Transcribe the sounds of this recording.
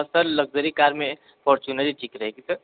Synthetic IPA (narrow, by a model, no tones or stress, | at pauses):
ɐsəɾlɐɡ̚zəɾikaːɾmẽ | pʰɔːɾt͡ʃunəɾiʈʰiːkɾɐɦeːɡisɐɾ